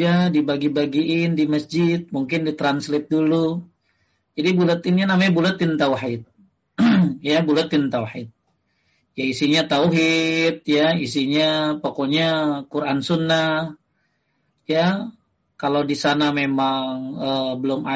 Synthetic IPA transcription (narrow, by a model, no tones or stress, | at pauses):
adibaɡibaɡiɪndiməsd͡ʒɪt̪̚muŋkɪndit̪ɾanslɪt̪̚dulu | d͡ʒadibulat̪ɪnɲanamabulat̪ɪnt̪awħɪt̪̚ | jabulat̪ɪnt̪awħɪt̪̚ | jaisiɲat̪auɦɪt̪̚jaisiɲapokoɲakuɾʔansunːah | ja | kalodisanamemaŋəbəlʊmʔa